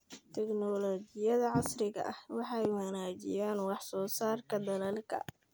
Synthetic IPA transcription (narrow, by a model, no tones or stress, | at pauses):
t̪ʰɛɡnɔːlɔːt͡ʃɪjɐðɐʕɑsrɪɣɐ̰ʔɐhwɑħɑjwɑnaːt͡ʃɪ̰jaːnwɑħsɔːsaːrkʰɐd̪ɐlɐlkʰɐ̰